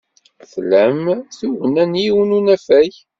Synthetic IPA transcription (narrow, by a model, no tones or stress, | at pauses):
θlæmθuvənænjiwənunæfæj